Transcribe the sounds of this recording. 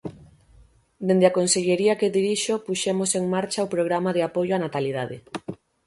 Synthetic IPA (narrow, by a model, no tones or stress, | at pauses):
d̪end̪eakonseʎeɾiakeðiɾiʃopuʃemoseŋmaɾt͡ʃaopɾoɣ̞ɾamaðeapojoanat̪alið̞aðḛ